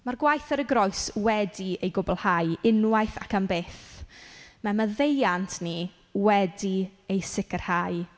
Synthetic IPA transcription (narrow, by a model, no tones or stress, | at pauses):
marɡwajθəɾəɡɾɔjswɛdiejɡʊbɔlˠhajɪnwajθa̰kʰambeːθ | maməðejantʰni | wɛdiejsɪkər̥haj